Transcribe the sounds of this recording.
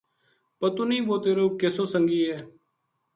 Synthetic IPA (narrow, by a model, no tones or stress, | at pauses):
pət̪uːnəĩːʋoːt̪eːɾoːkesõːsəŋɡiːɦɛː